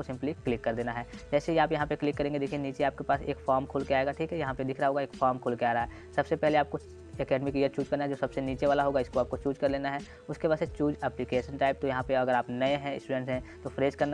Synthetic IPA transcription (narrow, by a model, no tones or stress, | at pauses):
osɪ̃mpliklɪkːɐɾd̪eːnaɦɛːd͡ʒɛːsejɐɦaːpjɐɦãpeklɪkːɐɾẽːŋɡed̪eːkʰieniːt͡ʃeaːp̚kepaːseːkfaːɾmkʰoːlkeaːeɡaʈʰiːkɦɛjɐɦãped̪ɪkʰɾaaɦoːɡaeːkfaːɾmkʰoːlkeaːɾaɦaɦɛː | sɐbsepɛɦleaːp̚ko | ɛkɛːɖmɪkijəɾt͡ʃuːd͡ʒkɐɾnaɦɛd͡ʒoːsɐbseniːt͡ʃeʋaːlaɦoːɡaɪskoaːp̚kot͡ʃuːd͡ʒkɐɾleːnaɦɛ | ʊskebaːset͡ʃuːd͡ʒɛːplɪkeːʃənʈaːɪp̚t̪ojɐɦãpeɐɡəɾaːpnɐeɦɛ̃ɪ̰sʈuːɖɛ̃ɳʈsɦɛ̃t̪ofɾeːzkɐɾn